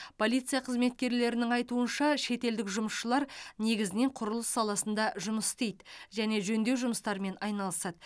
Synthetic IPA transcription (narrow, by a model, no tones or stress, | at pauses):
pʰo̞lʲijt̪sɨjɑqʰəzme̞t̪̚kʲe̞ɾle̞ɾɪnɪŋɑjt̪uənʃɑʃe̞t̪e̞ld̪ɪkʒʊməsʃəlˠɑɾne̞ɡʲɪzɪne̞ɴqʰʊɾʊlˠəsːɑlˠɑsənd̪ɑʒʊməst̪ejd̪ʒæne̞ʒɵnd̪e̞wʒʊməst̪ɑɾme̞nɑjnɑlˠəsɑd̪ə